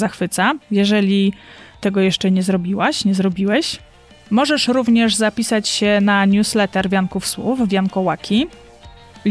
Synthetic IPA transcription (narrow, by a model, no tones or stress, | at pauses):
axfɘt̪sajɛʐɛlʲit̪ɛɡɔjɛʂt͡ʂɛɲɛzɾɔbʲiwaɕɲɛzɾɔbʲiwɛɕ | mɔʐɛʂɾuvɲɛʐzapʲisat͡ɕɕɛnaɲuslɛt̪ɛɾvʲjankufswṵfvʲjankɔwakʲʰi